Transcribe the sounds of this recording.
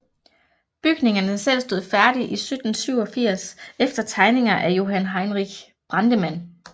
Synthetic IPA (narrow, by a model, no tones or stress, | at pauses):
b̥yɡ̥ne̝ŋɐnəsel̰sd̥o̝ð̰ˠfæɐd̥iʔisød̥n̩syʊ̰ɒ̽fiɐ̰sefd̥ɐt͡sʰɑ̈ɪne̝ŋɐʔæjo̝ɦænɦɑ̈ɪnʁiɡ̥ | b̥ʁɑ̈nd̥əmæn̰